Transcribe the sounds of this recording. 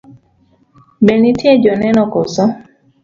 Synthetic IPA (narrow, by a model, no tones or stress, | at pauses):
bɛnitʰjed͡ʒɔnɛnɔkosɔ